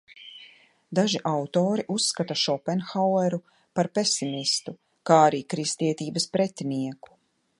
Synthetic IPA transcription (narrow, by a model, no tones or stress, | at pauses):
d̪aʒiʔawt̪ɔːɾiʔusːkat̪aʃɔpɛnxawɛɾu | paɾpesimist̪u | kaːaɾiːkɾist̪iɛt̪iːbɐspɾɛt̪ʲiniɛku̥